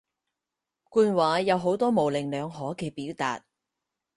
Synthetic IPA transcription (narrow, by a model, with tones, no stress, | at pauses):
kuː˧nwaː˨˥jɐ˨˧wɦo˨˥wt̪ɔː˥mo˨wlɪ˨˩ŋlœː˨˧ŋɦɔː˨˥kɛː˧piː˨˥wt̪a̰ː˨t̚